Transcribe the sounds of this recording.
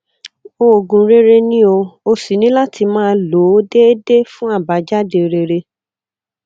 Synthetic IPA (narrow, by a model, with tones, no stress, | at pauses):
o˧˨ɡũ˨˦ɾe˦ɾe˧nĩ˦o˧o˧si˨˦nĩ˦la˦ti˧mãː˦˧lo˨˦de˦e˦de˦fũ˦a˦˨ba˨˦d͡ʒa˦de˧˨ɾe˧ɾe˧